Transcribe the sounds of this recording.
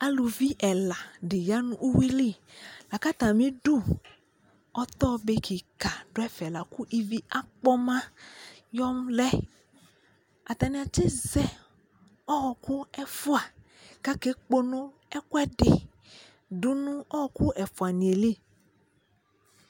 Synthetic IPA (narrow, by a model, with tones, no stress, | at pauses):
a˦lu˨vi˦ʔɛ˨la˨ɖe˨ja˦nũ˦ʔu˦we˦li˦˨la˨ka˦t̪ã˨mĩ˦ɖu˦ | ɔ˦t̪ɔ˦be˦ki˨ka˨ɖo˦ɛ˦fɛ˨la˨ku˦ʔi˦vi˦ʔa˦k͡pɔ˦mã˦jɔ˦mlɛ˦ | a̰˨t̪a˨nĩ˨a˨t͡ʃe˦zɛ˦ | ɔ˦ɣɔ˨ku˦ɛ˦˨fu˦a˨ | ka˦ke˦k͡po˦nõ˦ | ɛ˦kwɛ˦ɖe˨ | ɖu˦nũ˦ɔ˦hɔ˨ku˦ʔɛ˨fo˨a˨nĩ˨e˨li˦˨